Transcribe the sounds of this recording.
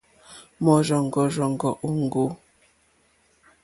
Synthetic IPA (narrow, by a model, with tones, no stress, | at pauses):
mɔ˨ʒɔ˨ŋ˨ɡɔ˨ʒɔ˨ŋ˨ɡɔ˨ʔo˦ŋ˨ɡo˦